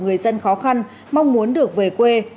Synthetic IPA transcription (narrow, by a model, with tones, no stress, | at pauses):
ŋɨ˨˩əjzə˧nxɔ˨˦xa˧n | ma˧wŋ͡mmu˨˦ənɗɨ˨˩ək̚ve˨˩kwe˧